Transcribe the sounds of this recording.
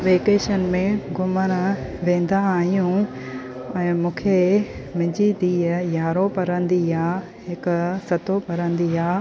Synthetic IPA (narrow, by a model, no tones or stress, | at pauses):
ʋeːkeːʃənmẽɡʊməɾ̃ʋẽːnd̪aːɦijũ | ɛ̃ːmũːkʰemɪ̃d͡ʑid̪iːəjaːɾopɐɾə̃nd̪iaː | ɦɪksɐt̪opɐɾə̃nd̪iaː